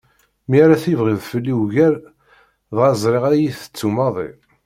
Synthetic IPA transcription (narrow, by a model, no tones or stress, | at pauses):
miæɾæθivʁiðˤfəlːiwʝæɾ | ðʁɑzˤɾɪʁæjiθə̥t͡sːumɑðˤḭ